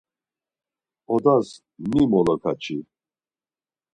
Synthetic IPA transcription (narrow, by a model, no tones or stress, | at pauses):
ɔd̪as | mimɔlɔkʰat͡ʃʰʼi